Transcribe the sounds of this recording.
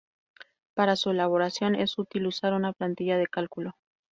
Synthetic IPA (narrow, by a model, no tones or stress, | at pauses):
paɾasue̞laβ̞o̞ɾasjo̞ne̞sut̪ilusaɾunaplant̪iʝaðe̞kalkulo̞